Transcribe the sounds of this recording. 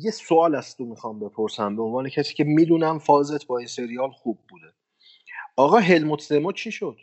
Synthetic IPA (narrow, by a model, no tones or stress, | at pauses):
jesoɒːlæst̪omixɒːmbe̞pʰo̞ɾsæmbeonvɒːnecʰæsiːcʰe̞miːd̪uːnæmfɒːze̞t̪ʰbɒːinse̞ɾijɒːlxuːb̚ːuːd̪e | ɒːɣɒːɦe̞lmot̪ʰzemot͡ʃʰiːʃod̪̥